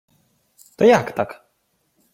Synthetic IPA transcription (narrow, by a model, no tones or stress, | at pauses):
t̪ɔjakt̪ak